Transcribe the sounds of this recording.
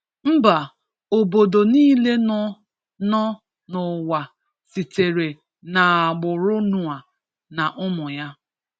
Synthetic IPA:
m̩˦ba˨ | o˨bo˨do˨niː˦le˦nɔ˦ | nɔ˦ | nʊ˨wa˨ | si˨te˨ɾe˨ | na˨a˨ɡ͡bʊ˨ɾʊ˦nʊ˨a˨ | na˨ʔʊ˦mʊ˨ja˦

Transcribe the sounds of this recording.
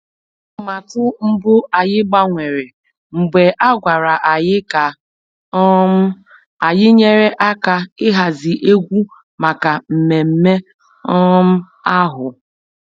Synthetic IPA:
ma˨tʊ˦m̩˦bʊ˦a˨jɪ˦ɡ͡ba˦ŋʷe˨ɾe˨ | ŋ͡m̩˨ɡ͡be˨ʔa˦ɡʷa˨ɾa˨ʔa˨jɪ˦ka˨ | ɔ˦m̩˦ | a˨jɪ˦ɲe˦ɾe˦ʔa˦ka˨ɪ˦ɦa˨zɪ˨ʔe˦ɡʷu˦ | ma˨ka˨m̩˨me˨m̩˦me˦ | ɔ˦m̩˦ | a˦ɦʊ˨

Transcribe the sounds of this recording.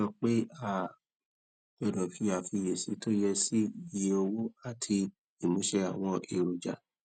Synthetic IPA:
ɔ˧k͡pe˦a˦˨ | bɛ˧˨dɔ˨fi˧a˨fi˧˨je˨si˨˦to˦jɛ˧si˦i˨je˧˦o˧wo˦a˦˨tʰi˧ | i˨mũ˨˦ʃɛ˦a˨w̃ɔ̃˧ʔe˨ɾo˨d͡ʒa˨

